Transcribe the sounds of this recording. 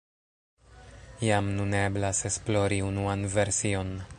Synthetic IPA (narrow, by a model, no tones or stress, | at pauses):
jamnune̞blase̞splo̞ɾiunuanve̞ɾsio̞n